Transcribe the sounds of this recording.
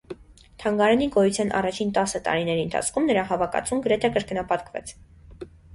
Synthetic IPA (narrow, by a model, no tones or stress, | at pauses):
t̪ʰɑŋɡɑɾɛniɡɔjut͡sʰjɑnʔɑ̰rɑt͡ʃʰint̪ɑsət̪ɑ̰ɾinɛɾiənt̪ʰɑ̰t͡sʰkʰumnəɾɑɦɑvɑkɑ̰t͡sumɡəɾɛt̪ʰɛkəɾkənɑpɑt̪kvɛ̰t͡sʰ